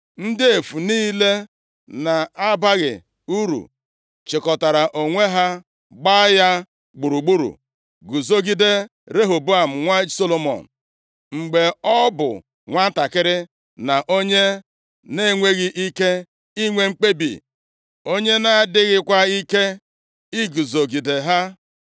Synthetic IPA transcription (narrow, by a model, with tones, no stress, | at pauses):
n̩˦dɪ˦e˨fu˨niː˦le˦ | na˨a˦ba˦ɣɪ̰˨ | u˦ɾṵ˨ | t͡ʃɪ˨kɔ˨ta˨ɾa˨ʔo˨ŋʷe˦ɦa˦ | ɡ͡ba˦ja˦ | ɡ͡bu˨ɾu˨ɡ͡bu˦ɾṵ˨ | ɡu˨zo˦ɡi˦de˦ | ɾe˦ɦo˨bu˦a˨m̩˨ŋʷa˦so˦lo˨mɔ̰˨n̩˨ | ŋ͡m̩˨ɡ͡be˨ɔ˦bʊ̰˨ | ŋʷa˦ta˨kɪ˦ɾɪ˦ | na˨ʔo˦ɲe˦ | ne˦˨ŋʷe˦ɣi˦ʔi˦ke˦ | i˦ŋʷe˦ŋ͡m̩˦k͡pe˦bḭ˨ | o˦ɲe˦na˦dɪ˦ɣɪ˦kʷa˦i˦ke˦ | i˦ɡu˨zo˨ɡi˨de˨ɦa˦